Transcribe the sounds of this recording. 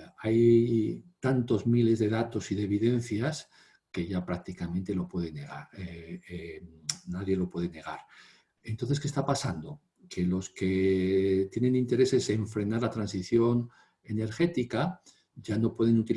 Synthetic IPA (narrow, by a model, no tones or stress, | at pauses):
aj | t̪ant̪o̞zmile̞zðe̞ðat̪o̞siðe̞βiðe̞n̟θjas | ke̞ʝapɾak̚t̪ikamẽnt̪e̞lo̞pwe̞ð̞ene̞ɣ̞a̰ɾe | naðje̞lo̞pwe̞ðe̞ne̞ɣ̞aɾ | ent̪onθe̞skest̪apasand̪o̞ | ke̞lo̞ske̞ | t̪je̞nẽ̞nĩnt̪e̞ɾe̞se̞se̞ɱfɾe̞naɾlat̪ɾansiθjo̞n | e̞ne̞ɾxe̞t̪ika | ɟ͡ʝano̞pwe̞ð̞e̞nut̪il